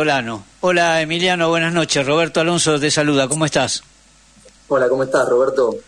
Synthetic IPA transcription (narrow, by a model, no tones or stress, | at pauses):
olanoolaemiljanoβwenazno̞t͡ʃesroβ̞eɾt̪oalo̞nsot̪esaluð̞akomoest̪as | olakomoest̪asroβɛɾt̪o